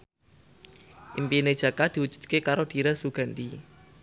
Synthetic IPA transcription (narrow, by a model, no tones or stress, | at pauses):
ʔimpine̥ʒ̥a̤kad̪̥i̤wud̥d͡ʒ̥ṳ̥d̪̥̚kekaɾod̥i̤ɾasuɡ̥a̤nɗi